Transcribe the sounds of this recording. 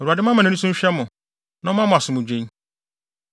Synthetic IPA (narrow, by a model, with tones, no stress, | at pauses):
o˨ɾu˨a˨dɪ˦m˦ã˦mã˨ũ˦sũ˦ɕᶣɛ˦mʊ̃˨ | nã˦mã˦mʊ̃˨a˨sʊ˨mʊ̃˨d͡ʑᶣẽ˦ɲ